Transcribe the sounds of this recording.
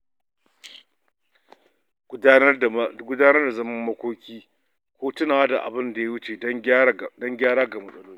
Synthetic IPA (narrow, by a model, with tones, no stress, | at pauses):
ɡʷʊ˦daː˦nɐ˦rda˨zɐ˦mɐ˦mːɐ˦kʷoː˦kʲiː˦ | kʷoː˦tʊ˦naː˨˦da˨ʔa̰˨bɪ˦nda˨ja˦wʊ˦t͡ʃe˨˦dɐ˦ŋɡʲaː˦ɾaː˦ɡa˨mɐ˨sʼɐ˦loː˦iː˦